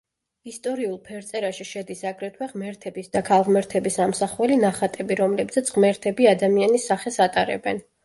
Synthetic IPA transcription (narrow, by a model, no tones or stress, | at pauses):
ist̪ʼɔɾiulˠpʰɛɾt̪sʼɛɾaʃiʃɛd̪isaɡɾɛt̪ʰwɛʁmɛɾt̪ʰɛbisd̪akʰalˠʁmɛɾt̪ʰɛbisamsaχwɛlinaχat̪ʼɛbiɾɔmlɛbzɛt̪sʼʁmɛɾt̪ʰɛbiad̪amianisːaχɛsat̪ʼaɾɛ̰bɛn